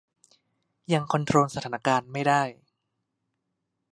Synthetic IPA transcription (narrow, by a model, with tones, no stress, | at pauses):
ja˧ŋkʰo˧nt̪ʰɾoː˧nsa˧aː˩˦na˥˧kaː˧nma˥˩jdaː˥˩j